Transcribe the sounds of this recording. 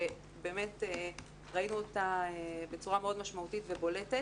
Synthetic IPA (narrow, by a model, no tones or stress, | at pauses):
e | be̞ːme̞te | ʁainuotaebet͡suʁame̞o̞d̪maʃmautitvebo̞le̞te